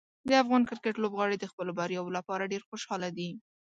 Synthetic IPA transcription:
d̪əafɣɑnkɪɾkeʈlobɣɑɽed̪əxpəlobaɾjɑwolapɑɾaɖeɾxoʃɑlad̪i

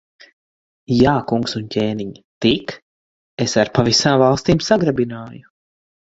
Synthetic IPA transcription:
jaːkuŋksuncʲeːniɲt̪ik | esaɾpavisaːmvalˠst̪iːmsaɡɾabinaːju

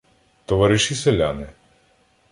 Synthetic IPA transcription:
t̪ɔʋɑɾɪʃisɛlʲa̰nɪ

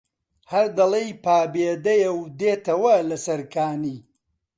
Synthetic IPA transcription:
hɐɾd̪ɐlˠɐjpaːbeːd̪ɐjɐwd̪eːt̪ɐwɐlɐsɐɾkʰaːniː

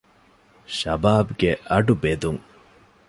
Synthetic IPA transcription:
ɕabaːpkɛaʈupet̪uŋ

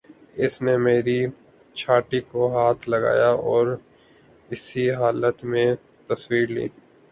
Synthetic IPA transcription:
ɪsnemeːɾi | t͡ʃʰaːʈikoɦaːt̪ʰlɐɡa̰ːjaʔɔːɾ | ɪsiɦaːlət̪mẽ | t̪ɐswiːɾlḭː

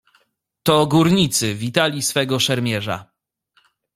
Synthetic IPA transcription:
t̪ɔɡuɾɲit̪sɘvʲit̪alʲisfɛɡɔʂɛɾmʲjɛʐa̰

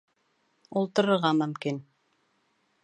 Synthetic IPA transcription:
ulˠt̪ɤ̆ɾɤ̆ɾʁɑmɵ̆mkin

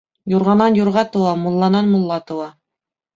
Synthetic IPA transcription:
juɾʁɑnɑnjuɾʁɑt̪ɤ̆wɑmŏlˠːɑnɑnmŏlˠːɑt̪ɤ̆wɑ

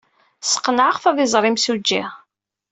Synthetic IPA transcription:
sə̥qːnʕaʁfæðizˤɾˤimsud͡ʒːḭ

